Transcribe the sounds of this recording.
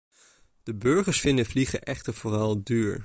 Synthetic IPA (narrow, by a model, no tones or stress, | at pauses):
d̥əbɵɹχəɹsfɪndəvliχə̰ʔɛχtəɹv̥ʊːrɑlˠdyːɹ